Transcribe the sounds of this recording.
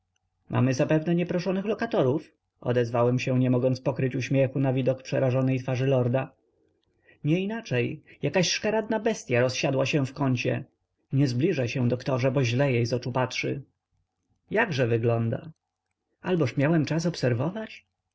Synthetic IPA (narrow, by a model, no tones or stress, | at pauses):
mʔa̰mɘzapɛvnɛɲɛpɾɔʂɔnɘxlɔkat̪ɔɾuf | ʔɔ̰d̪ɛzvawɛmɕɛɲɛmɔɡɔnspɔkɾɘt͡ɕuɕmʲjɛxunavʲid̪ɔkpʂɛɾaʐɔnɛjt̪faʐɘlɔɾd̪a | ɲɛinat͡ʂɛjjakaɕʂkaɾad̪̚nabɛst̪ʲjaɾɔsɕad̪waɕɛ̃fkɔɲt͡ɕɛ̰ | ɲɛzblʲiʐaɕɛ̃d̪ɔkt̪ɔʐɛbɔʑlɛjejzɔt͡ʂupatʂɘ̰ | jaɡʐɛvɘɡlɔnd̪a̰ | albɔʂmʲjawɛmt͡ʂas̬ɔpsɛɾvɔvat͡ɕ